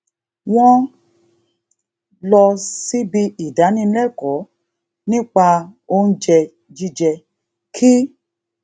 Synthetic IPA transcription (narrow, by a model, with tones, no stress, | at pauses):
w̃ɔ̃˦ | lɔ˧si˦bi˧i˨da˨˦nĩ˧˦lɛ˦˨kɔ˨˦ | nĩ˦k͡pa˧o˦n̩˦d͡ʒɛ˧ | d͡ʒi˦d͡ʒɛ˧ | kʰi˦